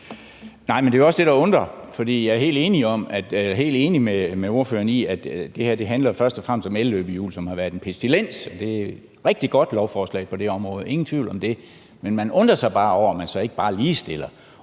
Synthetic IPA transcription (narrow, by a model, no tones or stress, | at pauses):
nɑ̈ɪ̰mende̝ɒ̽sd̥e̝ɾɑ̈ɔ̽nd̥ʁɐfɒ̽d̥ḭːjɑ̈æɐɦe̝̰ːld̥e̝ːniɒ̽mæd̥ɦe̝̰ːld̥e̝ːnimemeo̝ɐfø̰ːɐniæd̥d̥e̝hæɐ̰d̥e̝ɦænlɐfɶɐsd̥ɒ̽fʁam̰sd̥ɒ̽mellø̰ːb̥əjṵːlsɒ̽mhɑ̈ʋæɐðˠenpʰesd̥ilen̰sɒ̽d̥e̝æ | ʁɛɡ̥̚d̥iɡ̥ɒ̽d̥lɒʊfɒːslɛ̰ɪpʰɒ̽d̥e̝ɒ̽mʁɔ̽ːð̩ˠe̝ŋn̩t͡sʰʋḭʊ̰lɒ̽md̥e̝ | menmænɔ̽nd̥ʁɐsɑ̈ɪb̥ɑ̈ːɒʊ̰ɒmænsɒ̽e̝ɡ̥əb̥ɑ̈ːliːsd̥e̝l̰ɐ